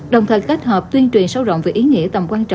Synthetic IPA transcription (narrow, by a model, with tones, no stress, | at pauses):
ɗə˨˩wŋ͡mt̪ʰəː˨˩jkːt̚həː˨˩p̚t̪wi˧ənt͡ɕwi˨˩ənsə˧wzɔ̰˧˨ŋ͡mve˨˩ʔi˨˦ŋḭ˧˥ət̪ə˨˩mkwaː˧nt͡ɕɔ̰˧˨